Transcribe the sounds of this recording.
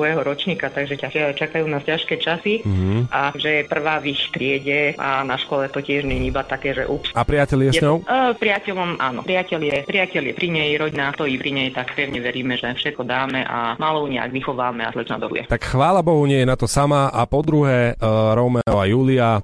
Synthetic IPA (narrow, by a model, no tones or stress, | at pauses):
ɔɛɦɔɾɔt͡ʃɲiːkat̪aɡʒɛcaʃɪat͡ʃakajuːnacaʃkɛːt͡ʃasiɦ̩ʔaʒɛpr̩ʋaːʋixt̪ɾɪɛɟɛʔa̰naʃkɔlɛt̪ɔcɪɛʒɲɛɲibat̪akɛːʒɛ̰ʔupsapɾɪacɛlɪjɛjɛɲɔʊpɾɪacɛlɔmʔa̰ːnɔ̰pɾɪacɛljɛpɾɪacɛljɛpɾiɲɛjɾɔɟinaːt̪ɔipɾiɲɛjt̪akpɛʊɲɛʋɛɾiːmɛʒɛfʃɛt̪̚kɔd̪aːmɛʔa̰maːlɔuɲɛa̰ɡʋixɔʋaːmɛa̰zlɛna̰d̪ɔ̰ṵjɛ̰t̪akxʋaːlabɔɦuɲɪɛjɛnat̪ɔsamaʔapɔd̪ɾuɦɛɾɔmɛɔajuːlia